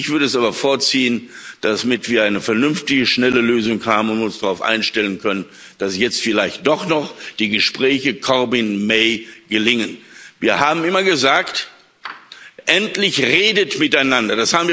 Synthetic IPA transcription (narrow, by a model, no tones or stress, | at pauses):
ɪçv̥ʏɐɾəɛs̬ʔaːbɐfoːɐt͡siːənd̥asmɪtv̥iːɐaɪnəfɛɐnʏmftɪɡəʃnɛləløːzʊŋhaːbəʊntʊnsd̥aʁaʊfʔa̰ɪnʃtɛlənkʰœnən | d̥asjɛt͡stfɪlaɪçt̚d̥ɔχnɔχd̥iːɡəʃpʁ̥ɛːçəkʰɔɐbɪnmeɪɡ̥əlɪŋənviːɐhaːbm̩ɪmɐɡəzaːkt | ʔɛntlɪçʁeːdətmɪtaɪnandɐd̥ashaːbm̩viːɐ